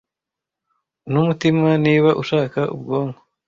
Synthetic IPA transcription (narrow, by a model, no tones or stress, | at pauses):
numutimaniːβaʔuʃaːkaʔṵbɡoːŋɡo